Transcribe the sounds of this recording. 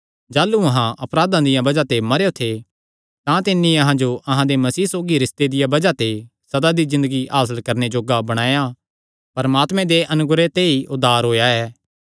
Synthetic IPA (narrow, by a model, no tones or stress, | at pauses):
d͡ʒaːluɐɦãʔɐpɾaːd̪ãd̪ɪjãbɐd͡ʒat̪emɐɾejot̪ʰe | t̪ãt̪ɪnːĩɐɦãd͡ʒoʔɐɦãd̪emɐsiːsoːɡiɾɪst̪ed̪ɪjabɐd͡ʒat̪e | sɐd̪ad̪izɪ̃nd̪əɡiʔaːs̬əlkɐɾned͡ʒoːɡabɐɽ̃aːja | pɐɾmaːt̪mẽd̪eʔɐnʊɡɾet̪eiʔʊd̪ʱaːɾɦoːjaɛː